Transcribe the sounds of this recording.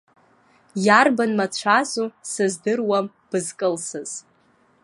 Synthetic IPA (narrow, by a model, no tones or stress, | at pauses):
jarbanmat͡ɕʷʰazusɨzdɨrwam | b̥ɨzkʼɨlsɨz̥